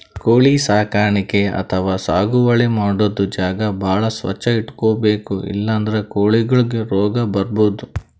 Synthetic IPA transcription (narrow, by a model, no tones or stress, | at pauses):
koːɭisaːkaːɾɐɳike̞ɐ̰t̪ʰɐʋaːsaːɡuʋɐɭemaːɽod̪ːud͡ʒaːɡɐbʱaːɭɐsʋɐ̰t͡ʃːɐiʈkoːbe̞ːkuḭlːɐːnd̪ɐɾekoːɭiɡɐɭuɡeɾɔːɡɐbɐɾboːd̪u